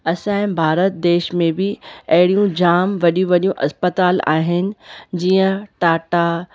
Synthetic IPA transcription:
ɐsãːɪ̃bʱaːɾət̪̚d̪eːʃmẽbɪɐɦɪɽijũd͡ʑaːmʋɐɗijũʋɐɗijũʔɐspət̪aːla̰ːɦɪnɪ̆d͡ʑiːə̃ʈaːʈa

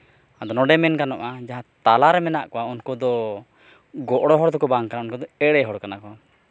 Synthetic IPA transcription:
ad̪ɔnɔɖɛmɛnkanɔʔad͡ʒaɦãt̪alaɾɛmɛnaʔkɔwaunkɔd̪ɔ | ɡɔʔɽɔɦɔɽd̪ɔkɔbaŋkanaunkɔd̪ɔɛɽɛɦɔɽkanakɔa

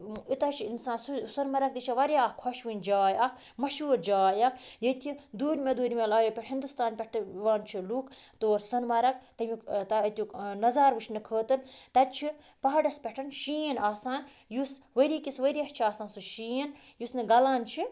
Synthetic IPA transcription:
it̪ɐt͡ʃʰiinsaːnsusɐnmɐɾɐk̚t̪it͡ʃʰiʋɐɾʲjaːhkʰɔʃʋinʲd͡ʒaːjɐkʰ | mɐʃuːɾd͡ʒaːjɐkʰjɐt̪ʰid̪uːɾʲmʲed̪uːɾʲmʲelaːjopʲeʈɦind̪ust̪aːnpʲeʈʰʋaːnt͡ʃʰiluːkt̪oːɾsɐnmɐɾɐk̚t̪ɐmʲikt̪ɐt̪ʲunɐzaːɾʋɨt͡ʃʰnɨkʰəːt̪ɨɾt̪ɐt͡ʃʰi | pɐɦɐɖɐspʲɐʈʰɐnʃinaːsaːn | jusʋɐɾiːkisʋəɾiɐkt͡ʃʰiaːsaːnsuʃiinjusnɨɡɐlaːnt͡ʃʰi

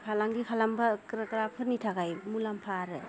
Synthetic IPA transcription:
kʰalaŋɡikʰalaŋbakɾakɾapʰɯɾnitʰaɡajmulampʰaɾɯ

